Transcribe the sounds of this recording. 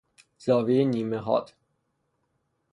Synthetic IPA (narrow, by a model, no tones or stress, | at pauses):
zɒːvejeniːmeɦɒ̰ːt̪